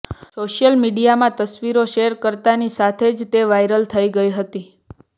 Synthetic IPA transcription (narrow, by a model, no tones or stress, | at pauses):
soʃjəlmiɖijamãt̪əsʋiɾoʃeɾkəɾt̪anisat̪ʰed͡ʒt̪eʋajɾəlt̪ʰəiɡəiɦət̪i